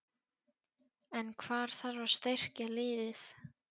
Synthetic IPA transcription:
ɛnkʰvaːɾ̥θaɾvaɾ̥st̪ejr̥calɪːðɪθ

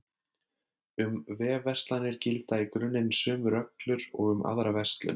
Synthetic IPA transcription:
ʏmvɛːvɛr̥st̪lanːɪɾ̥cɪlt̪aikɾʏnːɪnsʏːmʏɾœklʏɾɔ̰ɣʏma̰ðɾavɛst̪lʏ̰n

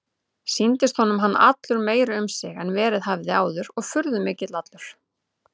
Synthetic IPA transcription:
sint̪ɪst̪hɔnʏmɦanːa̰t̪lʏɾmeːjɾaʏmsɪɣɛnvɛːɾɪðɦavðɪaːwðʏɾɔɣfʏɾðʏmɪːcɪt̪lat̪lʏɾ̥

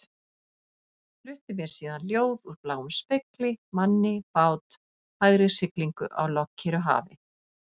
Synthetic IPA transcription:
flʏht̪ɪmjɛɾ̥siːðanljoːwðuɾplaːwʏmspeklɪmanːɪfaːwt̪ | haɣɾɪsɪkliŋkʏʔa̰wlɔcʰːɛɾʏɦa̰ːvɪ̰

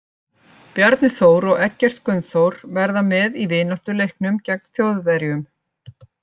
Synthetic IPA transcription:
pjaɾt̪nɪθoːwɾɔɣɛcːɛr̥t̪skʏnθowɾvɛɾðamɛðivɪːnɔht̪ʏlejhknʏmcɛk̚nθjoːwðvɛɾjʏm

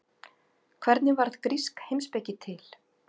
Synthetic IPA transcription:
kʰvɛɾt̪nɪvaɾðkɾiskhejmspɛːcɪt̪ʰɪl

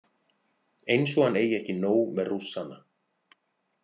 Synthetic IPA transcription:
ejns̬ɔɣaneːjɛhcɪnoːwmɛðrusːana

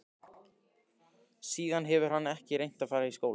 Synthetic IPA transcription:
siːðanɦɛvʏɾ̥hanːɛhcɪɾejn̥t̪afaːjɾaiskoːwl

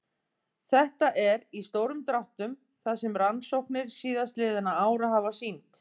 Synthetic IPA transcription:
θɛht̪aʔɛɾist̪oːwɾʏmt̪ɾawht̪ʏm | θaðsɛmɾansowhknɪɾ̥siːðast̪lɪːðɪnaaːwɾaɦavasint̪

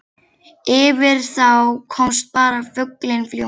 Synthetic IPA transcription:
ɪːvɪɾ̥θawkʰɔmst̪̚paːɾafʏklɪnfljo

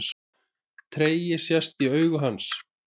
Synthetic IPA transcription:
s | t̪ʰɾeːjɪsjast̪iœːɥɣʏɦans

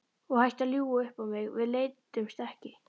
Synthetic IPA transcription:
ɔɣhajht̪aðljuːaʏhpawmɪɣvɪðleːjt̪ʏmst̪ɛhcɪ

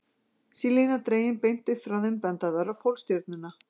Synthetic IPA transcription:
silinat̪ɾeːjɪnpejn̥t̪ʏfɾawðʏmpɛnt̪aðaɾawpʰowlst̪jɔɾt̪̚nɪna

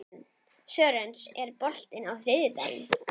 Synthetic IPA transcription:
n | sœːɾensɛɾpɔl̥t̪ɪnawθɾɪðjɪt̪a̰ːj̰n

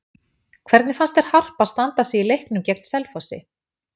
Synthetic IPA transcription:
kʰvɛɾt̪nɪfanst̪ɛɾ̥har̥paðst̪ant̪asɛilejhknʏmcɛk̚nsɛlfɔsɪ̰

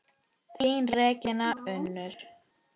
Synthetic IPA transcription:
θinrɛːcɪnaʏnːʏɾ̥

